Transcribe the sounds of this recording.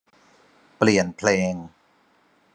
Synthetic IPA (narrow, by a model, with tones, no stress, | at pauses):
pli˨˩ənpʰleː˧ŋ